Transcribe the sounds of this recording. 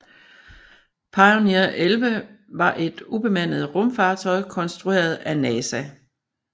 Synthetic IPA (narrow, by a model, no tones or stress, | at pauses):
pʰɑ̈ɪoniɐʔelʋəʋɑ̈ʔe̝d̥ub̥e̝mæn̰əð̞̩ˠʁɔ̽mfɑ̈ːt͡sʰɒ̽ɪkʰɒ̽nsd̥ʁue̝̰ːɐð̞ˠænɛːsæ